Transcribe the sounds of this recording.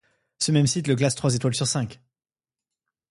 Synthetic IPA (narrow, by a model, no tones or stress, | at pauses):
səmɛmsit̪ləklast̪χwazet̪walsyʁsɛ̃k